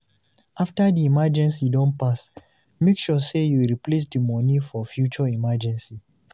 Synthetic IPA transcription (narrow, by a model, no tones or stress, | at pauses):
aftədiimad͡ʒɛ̃nsidɔ̃npas | mekʃɔsejuɹiples̬dimɔnifɔfjut͡ʃəimad͡ʒɛ̃nsi